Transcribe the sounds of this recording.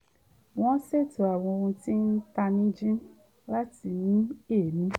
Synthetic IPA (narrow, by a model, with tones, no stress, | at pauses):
w̃ɔ̃˦se˦˨to˨a˨w̃ɔ̃˧o˧ɾũ˧ti˦n̩˦ta˧nĩ˦d͡ʒĩ˦n | la˦ti˧nĩ˦e˦˨nĩ˨˦